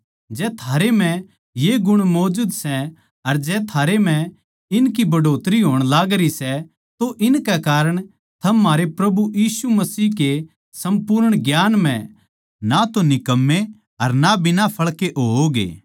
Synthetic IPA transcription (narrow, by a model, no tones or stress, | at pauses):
d͡ʒɛːt̪ʰaːɾem̤ɛ̃ | jeɡʊɽ̃mɔːd͡ʒud̪sɛ | ɐɾd͡ʒɛːt̪ʰaːɾem̤ɛ̃ | ɪnkibɐɖoːt̪ɾiɦoːɽ̃laːɡɾisɛ | t̪oʔɪnkɛkaːɾəɽ̃ | t̪ʰɐmːaːɾepɾɐbujiːsumɐsiːke | sɐ̃mpʊːɾəɽ̃ɡjaːnm̤ɛ̰̃ | nat̪onɪkəmːe | ɐɾnabɪnapʰɐɭkeʔooɡḛː